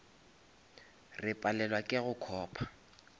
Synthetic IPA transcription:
rɪpʼalɛlwakʼɪɣʊkʰɔːpʰḁ

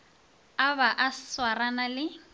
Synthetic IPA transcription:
aβaʔaswaranalɪ

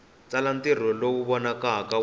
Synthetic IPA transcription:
t͡salantir̤ɔlowuβɔnakaɦaka

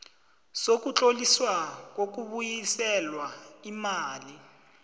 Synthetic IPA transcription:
sok̬ut͡ɬʼoliswak̬ok̬uɓujisɛlwaimaːli

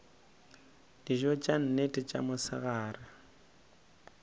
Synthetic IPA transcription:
d̥iʒɔt͡ʃʼan̩netʼɪt͡ʃʼa̰mʊsɪɣaːrɪ

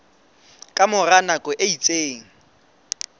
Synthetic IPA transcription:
kʼamʊranakʼɔʔeit͡sʼeːŋ̩

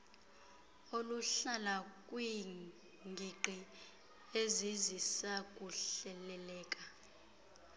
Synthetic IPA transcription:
oluɬalakʼwi | ŋɡʱiǃi | ezizisakʼuɬɛlɛlɛːkʼa

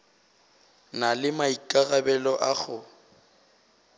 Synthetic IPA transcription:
nalɪmaikʼaɣabɛlɔʔaɣʊ

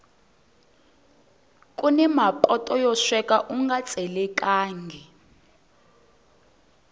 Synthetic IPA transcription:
kʼunɛmapʼɔtʼɔjɔʃwɛkʼaʔuŋɡat͡sʼɛlɛkʼaːŋɡʱɛ

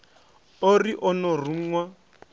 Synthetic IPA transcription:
oriʔɔnɔruŋ̩ŋwa

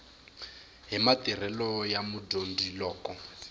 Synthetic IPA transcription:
ɦimatir̤ɛlɔjamudondilɔːkɔ

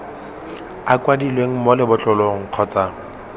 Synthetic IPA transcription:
akʼwadilweŋ̩molɪbʊt͡ɬɔloŋ̩q͡χʰɔt͡sa

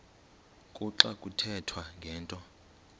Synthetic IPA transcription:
kʼuǁakʼutʰɛtʰwaŋɡʱɛːntʼɔ

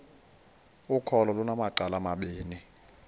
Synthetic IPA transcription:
ukʰɔlɔlunamaǀalamaɓiːni

